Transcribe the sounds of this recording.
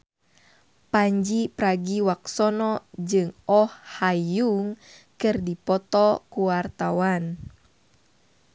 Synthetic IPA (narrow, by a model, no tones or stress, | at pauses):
paɲd͡ʒipɾaɡiwaksɔnɔd͡ʒɨŋɔhːajuŋkɨrdipɔt̪ɔkuwart̪awan